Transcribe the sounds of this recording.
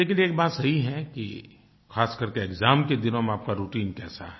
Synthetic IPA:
leːkɪneːk̚baːt̪sɐɦiɦɛkḭ | xaːskɐɾkeekzaːmked̪ɪnõmẽaːp̚kaɾuːʈiːnkɛ̰ːsa̰ɦɛ

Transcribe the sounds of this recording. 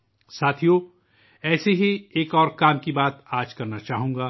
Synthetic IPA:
saːt̪ʰijo | ɛːseɦieːkɔːɾkaːmkibaːt̪aːd͡ʒkɐɾnat͡ʃaːɦũːŋ̆ɡaː

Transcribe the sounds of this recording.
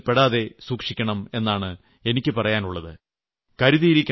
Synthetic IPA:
peɽaːðe̞suːkʂikʲːɐɳɐme̞nːaːɳɨ | e̞nikʲːɨpɐrɐjaːnuɭːɐðɨ | kɐɾuðijiɾikʲː

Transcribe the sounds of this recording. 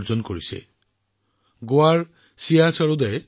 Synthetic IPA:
ɹzɔnkoɹisɛ̰ | ɡoaɹ | siasɔɹud̪ɛj

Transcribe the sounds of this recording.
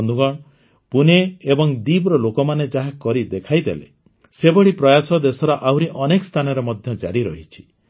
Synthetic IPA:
nd̪uɡɔɳ̃ | puneːbɔŋd̪ibɾɔlokɔmaned͡ʒaɦakɔɾid̪ekʰajd̪ḛlḛ | sebɔɽipɾɔjasɔd̪esɔɾɔʔawɾiʔɔnekɔ̥st̪ʰanɔɾemɔd̪ʱjɔd͡ʒa̰ɾiɾɔɦit͡ʃʰi̥

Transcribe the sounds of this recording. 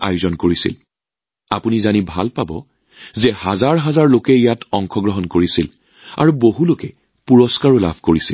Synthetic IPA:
a̰juzɔnkoɹisḭl | a̰punizanibʱalpabɔ̰ | zɛhazaɹɦazaɹlokɛijatʰɔŋkʰɔɡɹɔɦɔnkoɹisil | a̰ɹuboɦulokɛ | puɹɔskaɹɔla̰bʱkoɹisḭl

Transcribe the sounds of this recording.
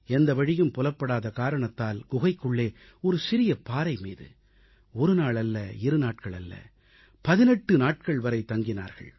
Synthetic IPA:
ɛnd̪ɐʋɐɻɪjɯmpɔlɐpːɐɽaːðɐkaːɾɐɳɐt̪ːaːlɡ̥ʊɣɐɪkːɯɭːeː | ɔɾɯsɪɾɪjɐpaːɾɐɪmḭːðɯ̰ | ɔɾɯnaːɭɐlːɐɪɾɯnaːʈ̚kɐɭɐlːɐ̰ | pɐðɪnɛʈːɯnaːʈ̚kɐɭʋɐɾɐɪt̪ːɐŋɡɪna̰ːɾɣɐ̰ɭ

